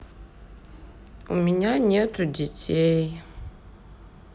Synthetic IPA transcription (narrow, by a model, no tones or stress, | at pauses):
omĩɲãɲĩɛtʰʊditʰiɛ